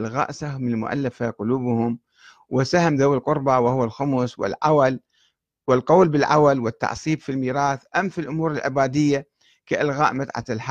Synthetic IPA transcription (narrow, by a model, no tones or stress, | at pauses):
lɣa̰ːʔsahmɪnɪlmʊ̰ʔa̰lːafaqʊluːbhʊm | wɪsahamðawɪlqʊɾˤbɑwɪhʊwːalxʊmʊswɪ̰lʕawal | wɪlqoːlbɪlʕawalwɪt̪ːɑ̰ʕsˤiːbfilmiːɾɑːθʔamːfilʔʊmuːɾɪlʕɪ̰baːd̪ɪjːa | kaʔɪlɣaːʔmat̪ʕa̰t̪lħa